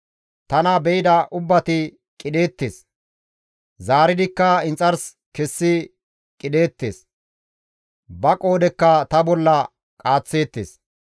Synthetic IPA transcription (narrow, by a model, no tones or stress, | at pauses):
t̪ɐnɐbɛjɪd̪ɐʔʊbːɐt̪ɪ | kʼɪd̪e̞ːt̪ːḛːs | zaːɾɪd̪ɪkːɐɪnt͡sʼːɐɾs | kɛsːɪ | kʼɪd̪e̞ːt̪ːeːs | bɐkʼo̞ːd̪ɛkːɐt̪ɐbɔlːɐ | kʼaːt͡sːe̞ːt̪ːḛːs